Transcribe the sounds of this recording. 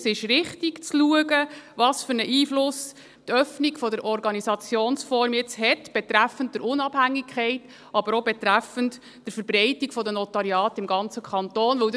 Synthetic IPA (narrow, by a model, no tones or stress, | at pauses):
sɪʃɾɪχtiɡt͡sluəɡəʋɑːsfʏɾnəʔiːflʊs | t̪œfniɡfɔdəɾʔɔɾɡɑnisɑt͡sjoːnsfɔɾmjɪt͡shɛtb̥ɛtɾæfənt̚d̥əɾʔʊnɑb̥hæŋːikʰχɛɪt | ʔɑbəɾɔbɛtɾæfənt | d̥əɾfəɾbɾɛɪtiɡ̥fɔdənɔtɑɾiɑːtɪmɡɑnt͡səkʰχɑntoːnʋɵwd